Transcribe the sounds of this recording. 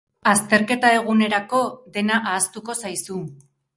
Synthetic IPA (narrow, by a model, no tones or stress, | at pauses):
ast̪e̞ɾke̞t̪ae̞ɣ̞une̞ɾako̞ðe̞naʔaːst̪uko̞sajsu